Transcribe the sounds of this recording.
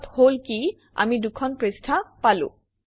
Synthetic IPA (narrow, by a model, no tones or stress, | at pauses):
tholki | a̰midukʰɔnpɹestʰapalʊ̰̃